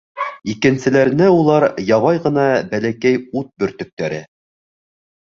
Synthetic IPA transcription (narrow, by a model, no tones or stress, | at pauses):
ikɘ̆nsɘ̆læɾnɘulˠɑɾjɑβɑjʁɤ̆nɑbælækæjut̪̚bɵ̆ɾt̪ɵ̆k̚t̪æɾɘ